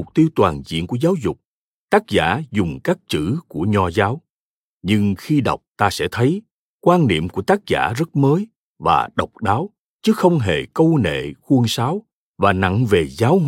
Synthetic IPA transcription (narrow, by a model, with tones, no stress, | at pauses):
ʊ˨˩k͡p̚t̪i˧əwt̪waː˨˩nzḭ˧˨ənku˧˩əzaː˨˦wzʊ˨˩k͡p̚ | t̪aː˦˥k̚za̰ː˧˥zʊ˨˩ŋ͡mkaː˦˥k̚t͡ɕɨ̰˧˥ku˧˩əɲɔ˧zaː˨˦w | ɲɨ˧ŋxi˧ɗa̰˨˩wk͡p̚t̪aː˧sɛ̰˧˥t̪ʰə˨˦j | kwaː˧nnḭ˧˨əmku˧˩ət̪aː˦˥k̚za̰ː˧˩zə˦˥t̚məː˨˦j | vaː˨˩ɗə˨˩wk͡p̚ɗaː˨˦w | t͡ɕɨ˨˦xə˧wŋ͡mɦe˨˩kə˧wnḛ˧˨xu˧ənsaː˨˦w | vaː˨˩na̰˧˨ŋve˨˩zaː˨˦w